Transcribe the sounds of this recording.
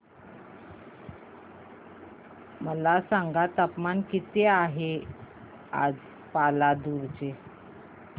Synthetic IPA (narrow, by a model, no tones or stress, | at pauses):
məlasaŋɡat̪apmankit̪eaɦe | a̰d͡z | palad̪uɾt͡ɕe